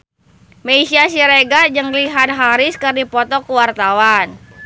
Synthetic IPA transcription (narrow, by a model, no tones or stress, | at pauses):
meisiasiɾeɡad͡ʒəŋliɦat̪̚ɦaɾiskərdipɔt̪ɔkuwart̪awan